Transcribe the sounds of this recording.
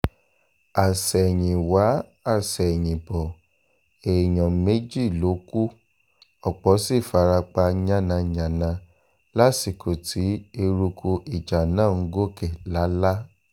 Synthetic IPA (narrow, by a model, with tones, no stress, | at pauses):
a˨sɛ˨ɲĩ˨wa˨˦a˦˨sɛ˨ɲĩ˨bɔ˨ | e˨ɲɔ̃˨me˦d͡ʒi˦˨lo˨˦ku˦ | ɔ˦˨k͡pɔ˨˦si˦˨fa˨˧ɾa˧k͡pa˧˦ɲã˦nã˧ɲã˨nã˧ | la˦si˨kʰo˨tʰi˨˦e˧ɾu˧kʰo˧ʔi˨d͡ʒa˨nãː˦˨ŋ̩˦ɡo˦kɛ˨la˨˦la˦